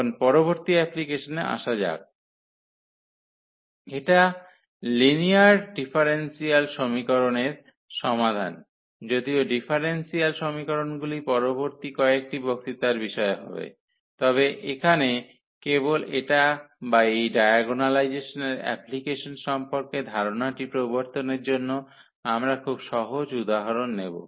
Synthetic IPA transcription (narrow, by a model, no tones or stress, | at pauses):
onpɔɾoβoɾt̪iɛplikeʃonea̰ʃad͡ʑa̰k̚ | eʈa | liniaɾɖifʰaɾensialʃomikoɾoneɾ | ʃɔmad̪ʱa̰n | d͡ʑod̪ioɖifʰaɾensialʃomikoɾonɡulipɔɾoboɾt̪ikɔek̚ʈibokt̪it̪aɾbiʃɔeɦɔ̰bḛ | t̪ɔβeʔekʰane | keboleʈabaejɖajaɡonalajd͡ʑeʃoneɾɛ̰plikeʃonʃɔmpoɾked̪ʱaɾonaʈipɾoboɾt̪oneɾd͡ʑonːo | amɾakʰubʃɔɦod͡ʑud̪aɦaɾonːebo̰